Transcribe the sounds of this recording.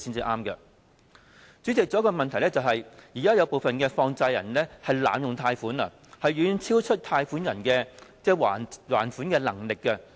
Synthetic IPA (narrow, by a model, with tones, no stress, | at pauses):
siː˥nt͡siː˨˧ʔaː˥mkɐ˧ | t͡syː˨˥t͡sɪ˨k̚t͡sɔ˨˥kɔː˧mɐ˨nt̪ʰjlɛ˥t͡sɐ˨wɦɐ˨jjiː˨˩kaː˥jɐ˨˧wpo˨wfɐ˨nkɛː˧fɔː˧ŋt͡sɐ˧jɐ̰˨˩nlɛː˥hɐ˨jla̰ː˨˥mjʊ˨ŋt̪ʰaː˧jfuː˨˥nɐ̰˧˨ | hɐ˨jɥyː˨˧nt͡sʰiː˥wt͡ʃʰɵ˥t̚t̪ʰaː˧jfuː˨˥njɐ˨˩nkɛː˧t͡sɛː˥˩waː˨˩wa̰ː˨˩nfu˨˥nkɛː˧lɐ˨˩ŋlɪ˨kːɐ˧